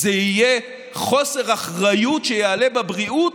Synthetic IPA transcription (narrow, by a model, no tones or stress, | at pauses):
zeije | χo̞se̞ʁaχʁajutʃejealebabʁiu